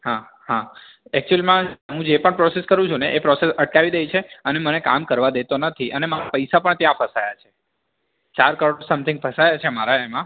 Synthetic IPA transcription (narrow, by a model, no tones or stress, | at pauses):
hã | hã | ɛk̚t͡ʃuɛlimãɦũd͡ʒepəɳpɾɔseskəɾũt͡ʃʰũneʔepɾɔsesəʈ̚kaʋid̪ejt͡ʃʰeəneməneka̰mkəɾʋad̪et̪onət̪ʰiʔənemaɾapəjsapəɳt̪jãpʰəsajat͡ʃʰe | t͡ʃaɾkəɾosəmt̪ʰɪ̃ŋɡfʰəsajat͡ʃʰemaɾaemã